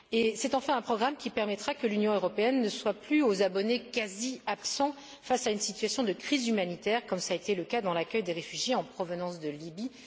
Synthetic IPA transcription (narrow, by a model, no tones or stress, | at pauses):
esɛt̪ɑ̃fɛ̃ɛ̃pχɔɡʁamkʲipɛʁmɛt̪χakəlynjɔ̃øʁɔpeɛnːəswaplyozabɔnekaziapsɑ̃ | fasaynsit̪ɥasjɔ̃d̪əkχizymanit̪ɛʁkɔmsaet̪eləkad̪ɑ̃lakʲœjd̪eʁefyʒjeɑ̃pχɔvənɑ̃sd̪əlibi